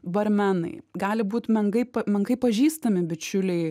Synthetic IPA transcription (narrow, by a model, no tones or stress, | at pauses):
bɐɾʲmʲænɐ̰ɪɡɑːlʲɪbuːt̪mʲɛŋɡɐɪpɐmʲɛŋɡɐɪpɐʒʲiːst̪ɐmʲɪbʲɪt͡ʃʲʊlʲɛɪ